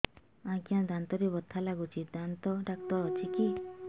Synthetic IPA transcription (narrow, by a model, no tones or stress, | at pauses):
ãkiãd̪ant̪ɔɾebɔt̪ʰːalaɡut͡ʃʰid̪ant̪ɔɖak̚t̪ɔːt͡ʃʰiki